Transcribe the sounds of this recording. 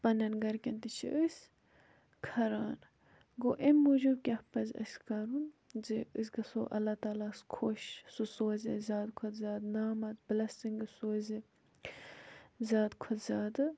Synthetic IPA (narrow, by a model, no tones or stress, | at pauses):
pɐnɐnɡɐɾkʲɐnt̪it͡ʃʰḭʔəsʲ | kʰɐɾaːn | ɡoʔemːud͡ʒub̚kʲɐhpɐzʲɐ̰skɐɾunziɨsɡɐsoʔɐ̰lːɐt̪aːlaskʰoʃsusoːzʲezʲaːd̪kʰot̪zʲaːd̪naːmɐt̪blɐst̪iŋɡɨsoːze | zʲaːd̪kʰot̪zʲaːd̪ɨ